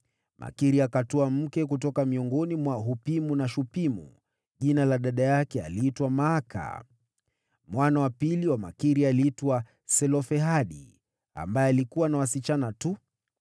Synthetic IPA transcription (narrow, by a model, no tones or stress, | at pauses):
mʔa̰kiɾiakatɔam̩kɛk̬utɔkamiɔŋɡɔnimwaɦupimunaʃupimṵ | ʄinalaɗaɗajakɛa̰liːtwamaːka̰ | mwanawapiliwama̰kiɾialitwa | sɛlɔfɛɦaɗḭ | a̰mbajɛalikuwanawasit͡ʃanatu